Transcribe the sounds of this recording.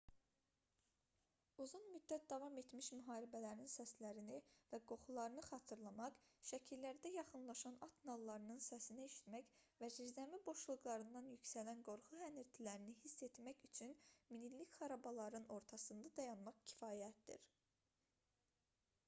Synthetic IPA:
uzunmyd̪ːæt̪̚d̪ɑvɑme̞t̪miʃmyɦɑːɾibælæɾininsæslæɾinivæɡo̞χulˠɑɾɯnɯχɑːt̪ʰɯɾlˠɑmɑqʃæcʰilːæɾd̪æjɑχɯnlˠɑʃɑnɑt̪ʰnɑlˠːɑɾɯnɯnsæsinæeʃi̥t̪mæçvæzizd̪æmibo̞ʃlˠɯɣlˠɑɾɯnd̪ɑnjycʲsælænɡo̞ɾχuɦæniɾt̪ʰilæɾiniɦisːe̞t̪mæçyt͡ʃʰynminilːicχɑɾɑbɑlˠɑɾɯno̞ɾt̪ʰɑsɯnd̪ɑd̪ɑjɑnmɑχcʰi̥fɑːjæt̪̚d̪ḭɾ

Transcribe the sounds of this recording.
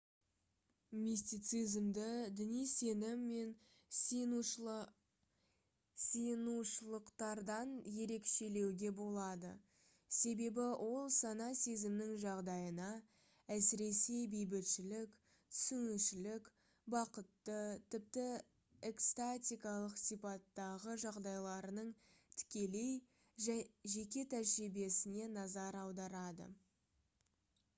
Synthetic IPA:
mʲisʲt̪ijt̪sɨjzmd̪ɪd̪ɪnijse̞nɪmːe̞n | senuʃəlˠəqt̪ɑɾd̪ɑnje̞ɾe̞kʃe̞le̞wɡʲe̞bo̞lˠɑd̪ə̰ | se̞be̞bɪwʔo̞lˠsɑnɑse̞zɪmnɪŋʒɑʁd̪ɑjənɑ | æsɪɾe̞se̞jbejbɪt̪ʃɪlɪk | t̪ʰʏ̥sʏnɪʃɪlɪk | bɑqət̪ːət̪ʰɪp̚t̪ɪ | ekst̪at̪ʲijkɑlˠəqsijpɑt̪ːɑʁəʒɑʁd̪ɑjlˠɑɾənəɴt̪ʰʏ̥kʲe̞le̞j | ʒe̞kʲe̞t̪ʰæʒɾibe̞sɪne̞nɑzɑɾɑwd̪ɑɾɑd̪ə̰

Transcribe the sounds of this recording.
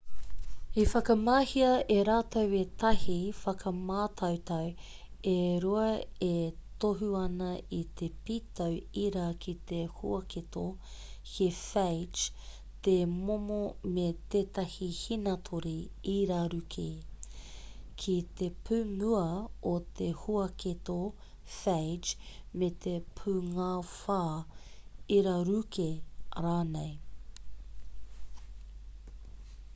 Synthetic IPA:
ifɐkɐmaːhiɐeɾaːtɐwet̪ɐhifɐkʰɐmaːtʰɐwt̪ɐw | eɾuɐet̪oɦuɐnɐit̪ʰepiːt̪ʰɐwiɾaːkʰit̪ehṵɐkit̪o | kefejt͡ʃ | t̪emomomet̪eːt̪ɐhihinɐtʰoɾi | iɾaːɾʉkʰe | kʰit̪epʰʉːŋuɐot̪ʰehuɐket̪o | fejd͡ʒmet̪ʰepʰʉːŋaːfaː | iɾaɾʉkʰeɾaːnej

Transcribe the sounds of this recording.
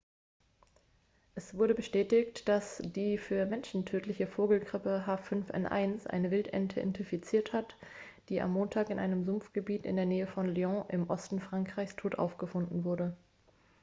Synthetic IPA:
ʔɛsv̥ʊɐɾəbəʃtɛːtɪçtd̥asd̥iːfyːɐmɛnʃn̩tʰøːtʰlɪçəfoːɡl̩ɡʁɪpəɦaːfʏnfʔɛ̰nʔa̰ɪnsʔa̰ɪnəvɪltʔɛ̰ntʰə̰ʔɛ̰ntɪfit͡siːɐthat | d̥iːʔa̰mːoːntʰaːkɪnʔa̰ɪnəmzʊmfɡ̥əbiːtɪ̰ndeːɐneːəfɔnliɔ̃ʔɪmʔɔstn̩fʁ̥aŋkʁ̥aɪçstʰoːtʔa̰ʊfɡ̥əfʊndn̩vʊɐɾə

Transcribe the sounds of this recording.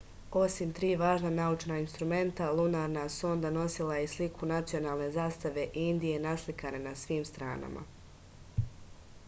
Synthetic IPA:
o̞simt̪ɾiːʋaːʒnanaut͡ʃnainst̪ɾume̞nt̪alˠunaɾnasuo̞nd̪ano̞silˠajeslikʰunat̪sio̞naːlˠne̞zaːst̪aʋe̞ʔind̪ije̞naslikanenasʋiːmst̪ɾa̰ːna̰ma̰

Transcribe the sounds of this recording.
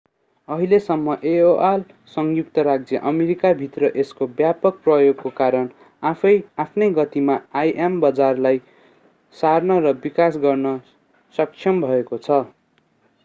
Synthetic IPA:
ʌɦilesʌmːʌʔeoʔal | sʌŋjuk̚t̪ʌɾaɡ̚d͡zjʌʔʌmeɾikabʱit̪rʌʔeskobjapʌk̚prʌjoɡkokaɾʌn | aʌjapʰnʌjɡʌt̪imaajʔembʌd͡zarlaj | sarnʌɾʌbikasɡʌrnʌ | sʌk̚t͡sʰjʌmbʱʌekot͡sʰʌ

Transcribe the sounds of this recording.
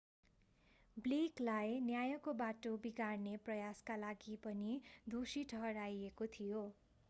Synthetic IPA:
bliklajnjajʌkobaʈobiɡarneprʌjaskalaɡipʌnid̪ʱosiʈʰʌɦʌɾajekot̪ʰijo

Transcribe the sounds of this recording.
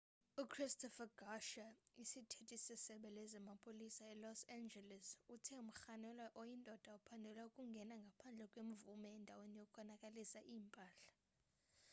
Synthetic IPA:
ukʰristʰʼɔfaɡ̥aʃaisitʰetʼisɛsɛɓɛlɛzamapʰʼolisaɛlɔsand͡ʒɛlɛsutʰɛum̩xanɛlaʔojindʱɔd̥ʱaupʰandʱɛlwaukʼuŋɡʱɛnaŋɡʱapʰand͡ɮʱɛkʼwem̩vumɛːndʱawenijokʼukʰɔnakʼalisaʔiːmpʼaːɬḁ

